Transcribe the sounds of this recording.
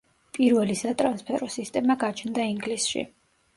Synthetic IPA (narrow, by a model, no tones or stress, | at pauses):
pʼiɾvɛlisat̪ʼɾanspʰɛɾɔsist̪ʼɛmaɡat͡ʃʰnd̪aiŋɡlisʃḭ